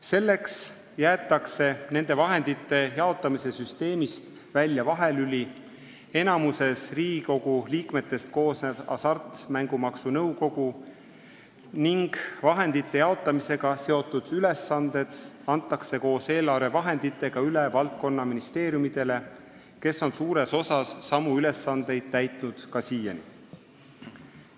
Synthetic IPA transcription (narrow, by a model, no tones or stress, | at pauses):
se̞lːe̞ks | jæːt̪ːˑɑkse̞ne̞nd̪e̞vɑɦe̞nd̪̥it̪ːe̞jɑo̞t̪ːˑɑmise̞syst̪e̞ːmist̪ | vælʲjɑvɑɦe̞lylʲi | e̞nɑmuse̞sriːɡiko̞ɡuliːkme̞t̪ːˑe̞st̪̚ko̞ːsned̪̥ɑ̰sɑrt̪mæŋɡ̥umɑksunɤuwko̞ɡ̥u | niŋɡ̥vɑɦe̞nd̪̥it̪ːe̞jɑo̞t̪ˑːɑmise̞ɡ̥ɑse̞o̞t̪ːˑud̪̥yle̞sːɑnd̪̥e̞d̪̥ɑnt̪ːˑɑkse̞ko̞ːse̞ːlɑrve̞vɑɦe̞nd̪̥it̪ːˑe̞ɡ̥ɑylevɑlt̪̚ko̞nːɑminist̪e̞ːɾjumid̪̥e̞le̞ | ke̞so̞nsuːɾe̞so̞sɑsːɑmuyle̞sːɑnd̪̥e̞jd̪̥̚t̪æjt̪ˑnud̪̥kɑsiːjɑni